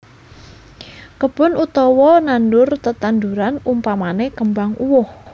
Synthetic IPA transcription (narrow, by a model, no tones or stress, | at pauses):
kəb̥ʊnut̪ɔwɔnanɖʊrt̪ət̪and̪uɾanumpamanekəmbaŋuwʊh